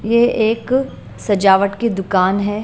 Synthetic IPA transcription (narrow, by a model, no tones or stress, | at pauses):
jeeːk | sɐd͡ʒaːʋəʈked̪ʊkaːnɦɛ